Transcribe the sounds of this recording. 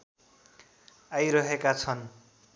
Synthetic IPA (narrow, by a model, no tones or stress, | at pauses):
ajɾʌɦekat͡sʰʌn